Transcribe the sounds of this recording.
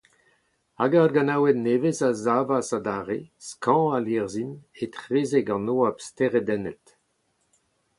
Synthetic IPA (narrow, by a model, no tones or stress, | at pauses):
aɡarɡanawenevezazaːvasad̪aːʁeskɑ̃aleʁzinet̪ʁeːzeɡɑ̃noːapst̪eʁed̪ɛnɛt